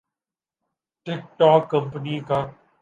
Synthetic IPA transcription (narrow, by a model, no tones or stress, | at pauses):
ʈɪk̚ʈɔːkːɐ̃mpəniːkãː